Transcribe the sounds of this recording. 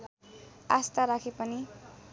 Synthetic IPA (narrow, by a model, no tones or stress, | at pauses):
ast̪aɾakʰepʌni